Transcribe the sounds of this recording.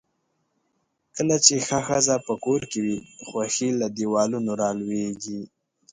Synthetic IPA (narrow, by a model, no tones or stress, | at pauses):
kəlat͡ʃexaxəzapəkoɾkewixwaxilad̪iwɑlunoɾɑlweɡi